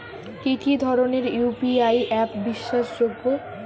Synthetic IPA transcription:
kikid̪ʱɔɾoneɾjupiajʔɛpbiʃːaʃd͡ʑobːo

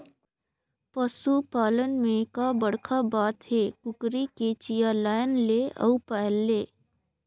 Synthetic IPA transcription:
pəsupaːlənmẽkabəɽkʰabaːt̪ɦekʊkɾiket͡ʃijalaːɪnleə̰upaɦlːeː

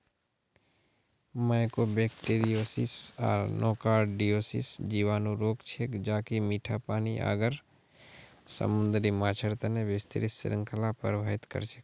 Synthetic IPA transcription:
majkobeːkʈeːɾijoːsḭsa̰ːɾnʔɔːkaːɖɖijoːsḭsd͡ʒiːʋaːnuɾoːkt͡ʃʰeːkd͡ʒaːkimiːʈʰapaːniʔa̰ːɡəɾ | sə̰mʊ̃nd̪ɾimaːt͡ʃʰəɾt̪ənebɪst̪əɾɪssɪ̰ɾə̃ŋkʰəlapə̰ɾbaːɦɪt̪kə̰ɾt͡ʃʰe̥k

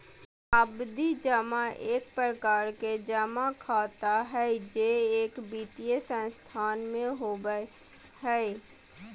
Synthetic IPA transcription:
əbd̪id͡ʒəmaʔeːk̚pɾəkaːɾked͡ʒəmakʰaːt̪aɦɛd͡ʒeeːkbiːt̪ijesə̃st̪ʰaːnmẽɦobə | ɦɛ

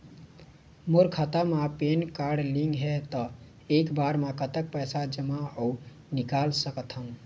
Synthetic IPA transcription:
moɾkʰat̪amãpenkaɾɖliŋɡɦɛt̪ɔ | ekbaɾmãkət̪ək̚pəjsad͡ʒəmaəu | nikalsəkət̪ʰɦəm

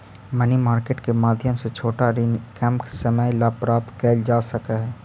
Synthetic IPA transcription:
mənimaːɾkeːʈkemaːd̪ʱjəmset͡ʃʰoːʈaɾinkɛ̃ːmpksəməjlaːpɾaːt̪kɛːld͡ʒaːsɐkaɦɛː

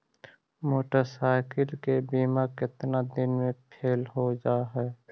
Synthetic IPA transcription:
moːʈəɾsaːɪkəlkebiːmakɪt̪nad̪ɪnmẽpʰeːlɦod͡ʒaːɦɛː

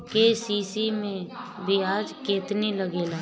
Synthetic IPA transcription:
kesiːsimẽbʱiaːd͡ʒkeːt̪niləɡeːlaː

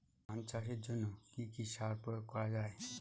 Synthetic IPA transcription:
ãnt͡ɕaʃeɾd͡ʑonːokikiʃaɾpɾojoɡ̚kɔɾad͡ʑae

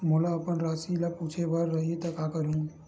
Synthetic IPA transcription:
molaɐpənɾaːsilapuːt͡ʃʰeʋəɾːɐɦit̪ɐkakəɾũ

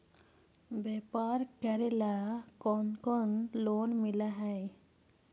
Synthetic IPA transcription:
bɛpaɾkəɾɛlakɔnkɔnlonmilaɦɛj

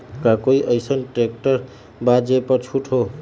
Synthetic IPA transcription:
kakoiʔəjsənʈɾek̚ʈəɾ | bad͡ʒepəɾt͡ʃʰuʈʰɦo

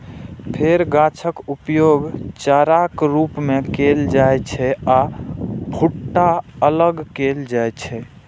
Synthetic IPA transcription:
pʰeɾɡat͡ʃʰəkupjoɡt͡ʃaɾakɾupmekeld͡ʒajt͡ʃʰɛa | bʱuʈːaələɡkeld͡ʒajt͡ʃʰɛ

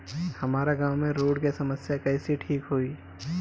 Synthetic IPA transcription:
hɐmaːɾaɡãːwmẽɾoːɽkesɐməsjakɐɪsiʈʰiːkɦoːiː

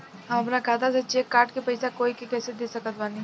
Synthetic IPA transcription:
ɦɐmɐpnakaːt̪as̬ɐt͡ʃekːaːɾʈkepɐɪsakoːikekɛːsed̪eːsɐkət̪ʋaːnĩ

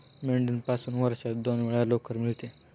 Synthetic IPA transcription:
meɳɖinpasuːnʋəɾɕad̪onʋiɭalokːəɾmiɭt̪e

